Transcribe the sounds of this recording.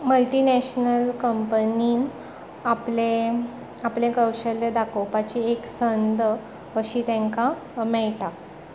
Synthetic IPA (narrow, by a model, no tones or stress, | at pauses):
məlʈinɛɕnəlkəmpəniːn | aple | aplẽkəwɕəlːed̪akowpat͡ɕieksənd̪ | əɕiːt̪ɛ̃ŋka | mɛɭʈa